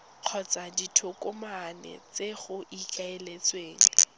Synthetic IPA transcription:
q͡χʰɔt͡saditʰʊkʼʊmanɛ̰t͡seɣʊʔikʰʼaelet͡sʼweːŋ̩

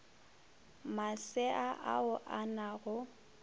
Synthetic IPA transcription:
masɪʔaʔa̰ʊʔanaɣʊ

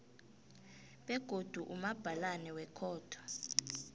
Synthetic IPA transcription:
ɓɛɡ̥ʱod̥ʱuʔumab̥ʱalanɛwɛkʰɔːtʰɔ̥

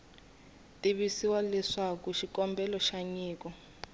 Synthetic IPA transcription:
tʼiβisiwalɛʂakuʃikɔmbʱɛlɔʃaɲiːkɔ

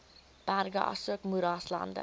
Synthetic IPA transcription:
b̥æɾɡə̰ʔɑ̰suəkmuɾɑːslɑ̰ndə̰

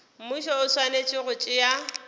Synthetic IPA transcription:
m̩muʃɔʊswanet͡ʃʼɪɣʊt͡ʃʼɪja

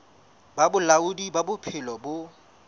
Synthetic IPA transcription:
babʊlaʊdibabʊpʰɪlɔbʊ

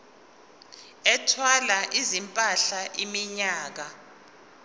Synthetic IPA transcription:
ɛtʰwalaʔizimpʼaɬaʔimiɲaːk̬a

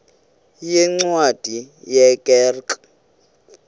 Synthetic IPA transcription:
jɛŋ͡ǀwad̥ʱijɛkʼɛrka

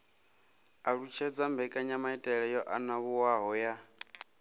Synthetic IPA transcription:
aɺut͡ʃʰɛd͡zambʱɛkʼaɲamaitʼɛɺɛjɔʔanaβuwaɦɔja

